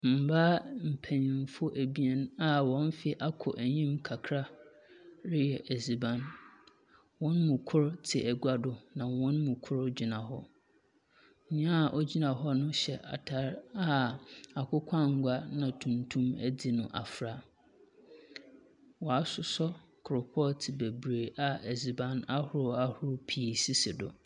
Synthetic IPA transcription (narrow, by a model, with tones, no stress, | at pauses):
m̩˨baː˦m̩˨pʰæ˨ɲɪ̃˨m̩˨fʊ˦ʔæ˨bi˦ɛ˨n˦a˦wɔ̃˦n˦fɪ˨ʔa˦kʰʊ˨ʔæ˨ɲĩ˦mkʰa˨kʰɾa˦ | ɾɪ˦jɛ˨ʔɛ˨zi˨bã˦n | wɔ̃˦nmũ˨kʰʊ˦ɾtʰɪ˨ʔæ˨ɡu˦a˦dʊ˨nã˨wɔ̃˦nmũ˨kʰʊ˦ɾd͡ʑi˨nã˨hɔ˦ | ɲ̩˨˦ɲã˦˨ʔɔ˦d͡ʑi˦nã˨ɦɔ˦nʊ̃˦ɕɛ˨ʔa̰˨tʰa˦ɾa˦a˨kʰʊ˦kʷʰã˦ŋ̩˨ɡʷa˦nã˨tʰũ˨ntʰũ˦mæ˦di˨nʊ̃˨ʔa̰˨fɾa˦ | wɔ˨a˦sʊ˨sɔ˦ | kʰʊ˨ɾʊ˨pʰɔ˦tʰɪ˨bɛ˨bɾeː˨ʔa˨ɛ˨zi˨bã˦na˦hʊ˦ɾʊ˦a˦hʊ˦ɾʊ˦pʰi˨si˦sɪ˨dʊ̰˨